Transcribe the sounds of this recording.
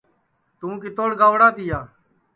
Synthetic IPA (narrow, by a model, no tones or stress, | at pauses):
t̪ũːk̬ɪt̪oːɽɡaːʋɽaːt̪ɪjaː